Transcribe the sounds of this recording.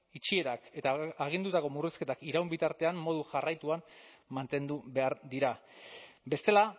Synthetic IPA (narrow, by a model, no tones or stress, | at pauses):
it͡ʃie̞ɾake̞t̪aːɣ̞ind̪ut̪ako̞muriske̞t̪akiɾawmbit̪aɾt̪e̞ammo̞ð̞uʝarajt̪uammant̪e̞nd̪uβe̞aɾd̪iɾa | be̞st̪e̞la